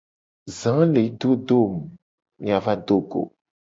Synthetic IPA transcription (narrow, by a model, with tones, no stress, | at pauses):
zã˨˦le˨˦d̪o˦do˦˨m˨ | mĩ˨a˨vã˦d̪o˦ɡo̰˨